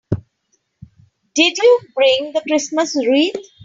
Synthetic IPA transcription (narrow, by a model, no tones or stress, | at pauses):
ɖɪɖjuːbɾɪ̃ŋd̪əkɾɪsməsɾiːd̪